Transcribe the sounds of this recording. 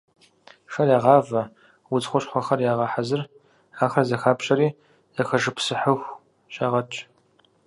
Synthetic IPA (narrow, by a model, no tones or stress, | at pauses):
ʂɐrjaːʁɑːvɐ | wʊt͡sχʷʊɕχʷɔxɐrjaːʁɑħazɨr | aːxɐzɐxaːpɕʼɐɾiː | zɐxɐʒɨpsɨħəxʷ | ɕʼaːʁɐt͡ʃʼ